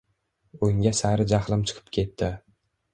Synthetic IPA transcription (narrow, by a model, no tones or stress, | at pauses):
oŋɡʲasaɾɪd͡ʒaχlˠɪmt͡ʃʰɨ̥qʰɨ̥p̚kʲʰe̞t̪ʰːɪ